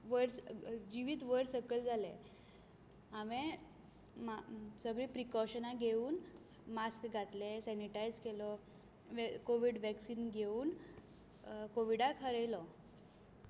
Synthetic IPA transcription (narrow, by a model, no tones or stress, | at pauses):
ʋəɾsd͡ʑiʋiːt̪ʋəɾsəkəld͡zʱalḛ̃ | aʋẽ | msəɡɭiːpɾikɔɕənãɡʱeuːn | maskɡʱat̪lesɛniʈajd͡zkelɔ | ʋkoʋiɖʋɛksiːnɡʱeuːn | koʋiɽakʰəɾejlɔ